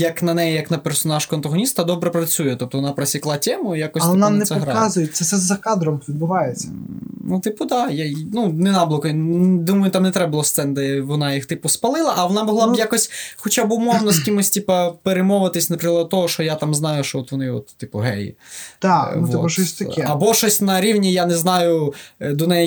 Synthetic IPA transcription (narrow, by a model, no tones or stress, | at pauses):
jɐknɐnɛjɛjɐknɐpɛrsɔnɑʃkʊɐnt̪ɐɦɔnʲist̪ɐd̪ɔbɾɛpɾɐt͡sʲujɛt̪ɔp̚t̪ɔʋɔnɑpɾɐsʲiklˠɑtʲɛmʊijakɔsʲlˠɛnamnɛsɛɦɾaazʊjɛsɛsɛzɐkɑd̪ɾɔmpʋʲid̪bʊʋɑjet͡sʲːɐ̰nut̪ɪpʊd̪ɑjanunɛnɑblˠɔkɔjd̪umɔjʊt̪amnɛt̪ɾɛbʊlˠɔst̪ɛnd̪ɛʋɔnɑjixt̪ɪpʊspɐlˠɪlˠɐʔɐʋɔnɑmɔɦlˠɑbjakɔsʲxɔt͡ʃabʊmɔwnɔskʲimʊsʲtʲipɐpeɾɪmɔʋɪt̪ɪsʲnɐpɾɪklˠɐd̪̚t̪ɔɦɔʃt͡ʃɔjat̪ɑmznɑjʊʃt͡ʃɔɔt̪ʋɔnɪɔ̰t̪ːɪpʊɦɛ̰jḭt̪antʋ̪ɪ̰pɐʃɔsʲt̪ɐkɛɐbɔʃɔsʲtʲnɐɾʲiwnʲijanɛznɑjʊd̪ɔnɛj